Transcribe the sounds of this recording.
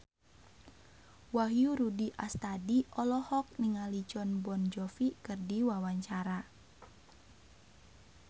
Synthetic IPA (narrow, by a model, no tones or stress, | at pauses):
waɦjuɾudiʔast̪adiʔɔlɔhɔk̚niŋalid͡ʒɔnbɔnd͡ʒɔfikɨrdiwawaɲt͡ʃaɾa